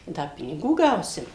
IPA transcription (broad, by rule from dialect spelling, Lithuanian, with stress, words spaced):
ˈdɐ pʲɪnʲɪˈɡuː ˈɡɐʊsʲɪm